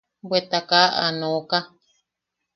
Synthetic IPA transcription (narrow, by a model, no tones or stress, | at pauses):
bwet̪akaʔa̰nõka